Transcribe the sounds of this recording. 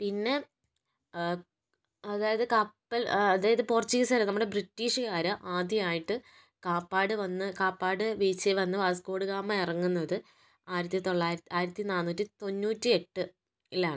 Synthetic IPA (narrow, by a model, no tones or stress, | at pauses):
pinːe̞ | ɐðaːjɐðɨkɐpːɐlɐðaːjɐðɨport͡ɕːikːisɐɾɐnɐmːuɽe̞britːiːʂɨkaːɾɐʔaːd̪jijaːjiʈːɨ | kaːpːaːɽɨʋɐnːɨkaːpːaːɽɨʋiːt͡ɕːɐʋɐnːɨʋaːsko̞ːɽɨkaːmɐirɐŋːunːɐðɨ | aːjiɾɐt̪ːit̪o̞ɭːaːjiɾɐaːjiɾɐt̪ːinaːnːuːtʲːit̪o̞nːuːtːie̞ʈːɨ | ilːaːɳɨ